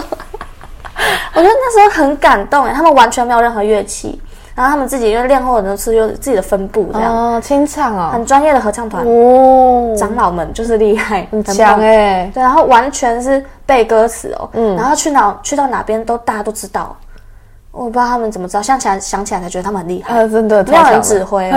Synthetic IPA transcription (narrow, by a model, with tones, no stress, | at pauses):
wɔ˨˩t͡ɕɥɛ˧˥də˧na˥˩ʂɻ̩˧˥xo˥˩xə˧˥nka˨˩nt̪ʊ˥˩ŋə˨˩t̪ʰa˥mə˨nwa˧˥nt͡ɕʰɥɛ˧˦nme˧˥o˨˩ə˥˩nxɤ˧˥ɥɛ˥˧t͡ɕʰḭ˥˩ | na˧˥no˥˩t̪ʰa˥mə˨t͡sɹ̩˥˩t͡ɕi˨i˦˥we˥˧ɪljɛ˥˧nxo˥˩d̪ə˩˧˥t͡sɹ̩˥˩t͡ɕi˨˩ə˩fə˦npṵ˥˨˩t͡ɕʰi˦˥ŋt͡sʰɑ˨˩ŋ˨˩xə˨˩nʈ͡ʂwa˥njɛ˥˩d̪ə˩xɤ˧˥t͡ɕʰɑ˥˩ŋt̪ʰwa̰˨˦ | ʈ͡ʂɑ˧˥ŋlɑ˨˩ʊmə˦nt͡ɕjo˥˧ʊʂ̬ɻ̩˥˧li˥˧xa˥˩ɪ˧˥˧et̪wna˧˦xo˥˩ʊwa˧˦˥nt͡ɕʰɥɛ˧˦˥nʂɻ̩˥˩ | pe˥˩ɪkɤ˥sɹ̩̰˨˩ɔ̰˨˩˥a˧˥nxo˥˧ʊt͡ɕʰy˥˩nɑ˨˩ʊt͡ɕʰy˥˧t̪ɑ˥˩ʊna̰˨˩pjɛ˥nt̪o˥ʊt̪a˥˩t͡ɕa˥t̪o˥ʊʈ͡ʂɻ̩˥t̪ɑ˥˩ʊ | ʔɔ˥˨˩pt̪ʰmə˨nt͡sə˨˩mə˩ʈ͡ʂɻ̩˥ɑ˥˧˩ɕjŋt͡ɕʰi˨˩a˧˥ɪɕjɑ˧˥ŋt͡ɕi˨˩a˥a˧˥t͡ɕɛ˧˥ə˧˩˥mə˩˨xə˩li˧xa˥˩˧ə˥nd̪ə˨˥e˥˧˩ə˧˥˧ʈ͡ʂɻ̩˥˩xwe˥ɪ